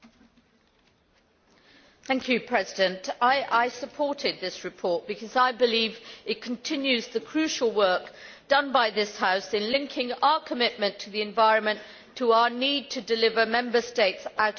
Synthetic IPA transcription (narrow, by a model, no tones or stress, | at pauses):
θæ̃ŋkʰjʉpʰɹ̥ɛzɪdɨ̃ntaɪʔaɪsəpʰɔɹɾɪd̪̚ðɪsɹɨpʰɔɹt̚b̥ɨkʰʌzaɪbɨlivɨt̚kʰə̃n̩tʰɪ̃njʉzðəkʰɹ̥ʉˑʃəlˠwɜˑ˞k̚ | d̥ʌ̃nbaɪðɪshaʊsɨ̃nlɪ̃ŋkʰɪ̃ŋaʊəkʰəmɪʔ̚mə̃ntʰəðiɨ̃ɱvaɪɹə̃nmə̃n | tʰəaʊəniːd̚tʰɨdɨlɪvə˞mɛ̃mbəsteɪtsaʊɾ